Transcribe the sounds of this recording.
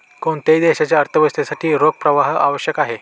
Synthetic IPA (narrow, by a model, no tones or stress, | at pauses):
koɳt̪ejd̪eɕat͡ɕjaəɾt̪ʰəʋəst̪esaʈʰiːɾoɡ̚pɾəʋaɦa̰ʋəɕjəkaɦe